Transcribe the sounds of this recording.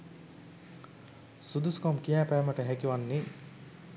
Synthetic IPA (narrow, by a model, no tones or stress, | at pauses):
sud̪uskomkijæːpæːməʈəɦækiʋanːi